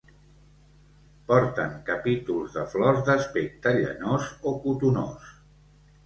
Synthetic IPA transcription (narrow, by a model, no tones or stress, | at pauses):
pɔɾt̪əŋkəpit̪ulˠzðəflɔzðəspek̚t̪əʎə̰nozokut̪uno̰s